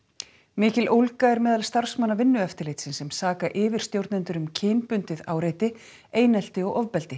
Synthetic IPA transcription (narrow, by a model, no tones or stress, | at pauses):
mɪːcɪlʔowlkaɛɾmɛːðalst̪ar̥smanːavɪnːʏɛft̪ɪlejt̪sɪnsɛmsaːkaʔɪːvɪɾ̥st̪jowɾt̪nɪnt̪ʏɾʏmcʰɪːnpʏnt̪ɪðaːwɾejt̪ɪ | eːjnɛl̥t̪ɪɔɣɔvpɛlt̪ɪ